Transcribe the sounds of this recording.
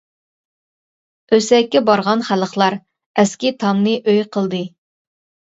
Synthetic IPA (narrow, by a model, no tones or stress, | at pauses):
øsɛkʲːɛbɑɾʁɑnχæləχlˠɑɾ | ɛskʲit̪ʰɑmnɨʔøjqʰəlˠd̪ɨ